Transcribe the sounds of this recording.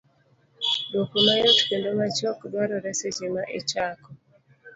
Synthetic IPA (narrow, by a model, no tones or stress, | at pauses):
dokumajɔtkendomat͡ʃɔkbwaɾɔɾɛset͡ʃemaʔet͡ʃakɔ